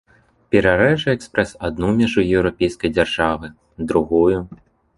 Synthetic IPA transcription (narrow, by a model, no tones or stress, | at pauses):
pʲɛɾaɾɛʐɨɛkspɾɛsad̪̚numʲaʐujɛwɾapʲejskɐjd͡zʲarʐavɨ | d̪ɾuɣuju